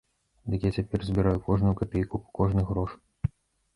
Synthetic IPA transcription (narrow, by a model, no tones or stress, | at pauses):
d̪ɨkjat͡sʲapʲɛrzʲbʲiɾajukɔʐnujukapʲejkupɐ̥kɔʐnɨɣɾɔʂ